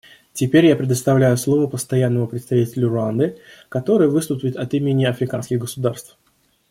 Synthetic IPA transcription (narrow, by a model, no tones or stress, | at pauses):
tʲɪpʲeɾʲjapɾʲɪd̪əst̪ɐvlʲæjʊslˠo̞vəpəst̪ɐjanːəmʊpɾʲɪt̪st̪ɐvʲitʲɪlʲʊrʊand̪ɨkɐt̪o̞ɾɨjəvɨst̪ʊpʲɪt̪ɐt̪imʲɪnʲːɪɐfɾʲɪkanskʲɪɣɡəsʊd̪arst̪f